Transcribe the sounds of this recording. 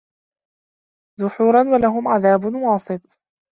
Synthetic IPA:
ðʊħuːɾˤɑnwalaɦʊmʕaðaːbʊnwɑːsˤɨf

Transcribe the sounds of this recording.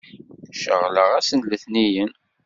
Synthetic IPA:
ʃəʁləʁæsənləθnijən

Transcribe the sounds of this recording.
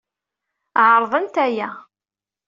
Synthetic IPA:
ʕəɾˤðˤənt̪æjæ

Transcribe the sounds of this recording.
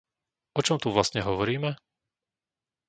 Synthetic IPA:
ɔt͡ʃɔmt̪uʋlast̪ɲɛɦɔʋɔɾiːmɛ

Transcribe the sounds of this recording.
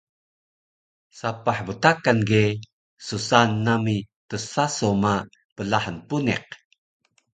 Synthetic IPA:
sapaħbətakanɡe | susanːami | təsasoma | pəlaħənpunɛ̰q̚

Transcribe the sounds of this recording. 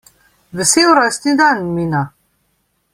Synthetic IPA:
vɛsewɾast̪nid̪anmina

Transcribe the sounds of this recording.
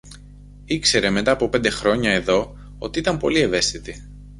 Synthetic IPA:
ikse̞ɾe̞me̞t̪ɐːpo̞pe̞nd̪e̞xɾo̞ɲɐe̞ðo̞ | o̞̰t̪iit̪ɐmpo̞̰lie̞ve̞st̪it̪i

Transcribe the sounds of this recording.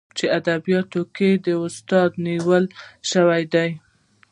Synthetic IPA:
t͡ʃead̪abijɑt̪oked̪əʊst̪ɑd̪niwəlʃəwajd̪aj

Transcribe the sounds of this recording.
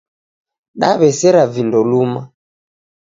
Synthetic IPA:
ɗaβɛsɛɾavindɔluma

